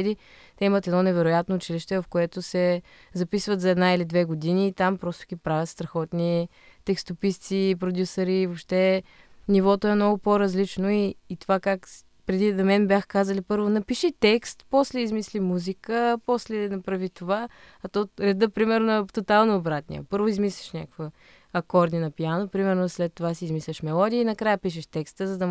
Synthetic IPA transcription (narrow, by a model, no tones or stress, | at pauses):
d̪it̪ɛimət̪ɛd̪nɔnɛvɛɾʊjat̪nout͡ʃiliʃt̪ɛvɐfkoɛt̪osɛ | zɐpisvət̪zɐɛd̪nailid̪vɛɡod̪iniːt̪ampɾɔst̪o̥ɡʲipɾavʲət̪st̪ɾɐxɔt̪ni | t̪ɛkst̪opist̪sipɾod̪ʲjusɐɾivopʃt̪ɛnivɔt̪oɛmnɔɡopoɾɐzlit͡ʃnoiːt̪ovakak | pɾɛd̪inɐmɛnbʲjaxkazəlipɤɾvonɐpiʃit̪ɛkst̪pɔslɛizmislimuzikəpɔslɛnɐpɾavit̪ova | ɐt̪ɔɾɛd̪əpɾimɛɾnoɐt̪ot̪alˠnoːbɾat̪nʲḭə̰pɤɾvoizmislʲi̥ʃnʲakkvə | ɐkɔɾd̪ʲinɐpijanopɾimɛɾnoslɛt̪ːovasizmislʲɛʃmɛlˠɔd̪ʲiəinɐkɾajəpiʃ̬ɛʃt̪ɛkst̪əzɐd̪ɐ